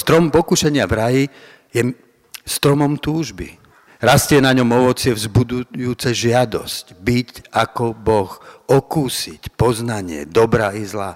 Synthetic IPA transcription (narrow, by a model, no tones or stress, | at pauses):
st̪ɾɔmpɔkuʃɛɲɪavɾaji | jɛ | st̪ɾɔmɔmt̪uːʒbḭ | ɾast̪ɪjɛnaɲɔmɔʋɔt͡sɪɛvzbud̪ujuːt͡sɛʒɪad̪ɔ̰scbicakɔbɔxɔkuːsicpɔznaɲɪɛ̰d̪ɔbɾaizlaː